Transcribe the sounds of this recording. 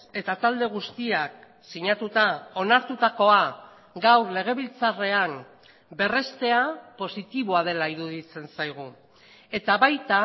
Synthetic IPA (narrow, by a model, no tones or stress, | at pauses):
e̞t̪at̪ald̪e̞ɣ̞ust̪iak̚ | siɲat̪ut̪ao̞naɾt̪ut̪ako̞a | ɡawɾle̞ɣ̞e̞β̞ilt͡sare̞aŋ | be̞re̞st̪e̞apo̞sit̪iβ̞o̞aðe̞laiɾuðit͡se̞nsajɣ̞u | e̞t̪aβajt̪a